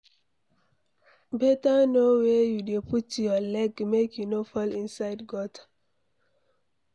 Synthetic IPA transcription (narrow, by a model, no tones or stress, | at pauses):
bɛtanowejudeputjɔlɛɡmekjunofɔlĩnsaɪdɡɔtḁ